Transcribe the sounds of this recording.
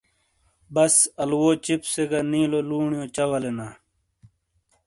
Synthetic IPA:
bɐsɐlwoːt͡ɕipseɡɐnĩːloluːɳjõːt͡ɕɐwɐlenaː

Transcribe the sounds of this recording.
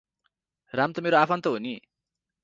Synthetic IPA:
ramt̪ʌmeɾoapʰant̪ʌɦuni

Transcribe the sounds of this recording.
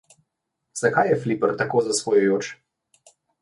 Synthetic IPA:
z̥akajːɛflipəɾt̪akoːzasʋɔjɔjot͡ʃ

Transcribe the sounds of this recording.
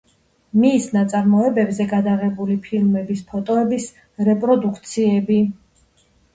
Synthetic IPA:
misnat̪sʼaɾmɔɛbɛbzɛɡad̪aʁɛbulipʰilˠmɛbispʰɔt̪ʼɔɛbis | ɾɛpʼɾɔd̪ukʰt̪sʰiɛbi

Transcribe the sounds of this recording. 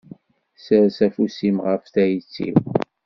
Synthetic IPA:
səɾsæfusimʁəfθæjt͡sːḭw

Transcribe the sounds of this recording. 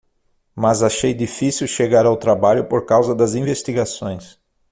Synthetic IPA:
mɐzaʃejd̪ifisiwʃeɡaɾawt̪ɾabaʎʊpoɾkawzɐd̪ɐzĩvest̪iɡasõj̃s

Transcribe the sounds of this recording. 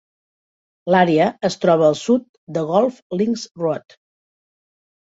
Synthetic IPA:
laɾeəəst̪ɾɔβəːlˠsut̪̚d̪əɣɔlˠfliŋsrwɔt̪

